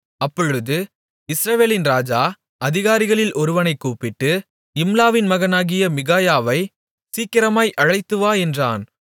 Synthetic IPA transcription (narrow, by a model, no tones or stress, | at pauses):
ɐpːɔɻɯðɯ | ɪsɾɐʋeːlɪnɾaːd͡ʒaː | ʔɐðɪɣaːɾɪɣɐɭɪlʔɔɾɯʋɐnɐɪkːuːpɪʈːɯ | ɪmlaːʋɪnmɐɣɐnaːɣɪjɐmɪɣaːjaːʋɐɪ | siːkɪɾɐmaːjʔɐɻɐɪt̪ːɯʋaːɛndra̰ːn